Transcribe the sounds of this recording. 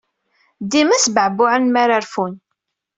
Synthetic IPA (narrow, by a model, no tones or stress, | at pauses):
d̪imæsbəʕbʊʕənmaɾaɾfun